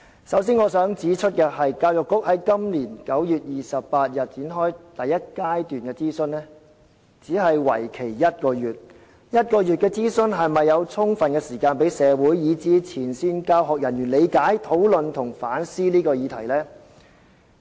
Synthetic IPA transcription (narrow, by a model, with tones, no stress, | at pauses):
sɐ˨˥ws̬iː˥nŋɔː˨˧sœː˨˥ŋt͡siː˨˥t͡ʃʰɵ˥t̚kɛː˧ɦɐ˨jkaː˧wjʊ˨kːʊ˥k̚hɐ˨˥jkɐ˥mliː˨˩nkɐ˨˥wjyː˨t̚jiː˨sɐ˨ppaː˧t̚jɐ˨t̚t͡siː˨˥nɦɔː˥jt̪ɐ˨jːɐ˥t̚kaː˥jt̪yː˨nkɛː˧t͡siː˥sɵ˧nnɛː˥ | t͡siː˨˥ɦɐ˨jwɐ̰˨˩jkʰe˨˩jːɐ˥t̚kɔː˧jyː˨t̚ | jɐ˥t̚kɔː˧jyː˨t̚kɛː˧t͡siː˥sɵ˧nɦɐ˨jmɐ˨jːɐ˨˧wt͡sʰʊ˥ŋfɐ˨nkɛː˧siː˨˩kaː˧npe˨˥jsɛː˨˧wuː˨˥jːiː˨˧t͡siː˨˥t͡sʰiː˨˩nsiː˧nkaː˧wɦɔː˨k̚jɐ˨˩njyː˨˩nle˨˧jkaː˨˥jt̪ʰo˨˥wlɵ˨nt̪ʰʊ˨˩ŋfaː˨˥nsiː˥liː˥kɔː˧jiː˨˧t̪ʰɐ˨˩jlɛː˥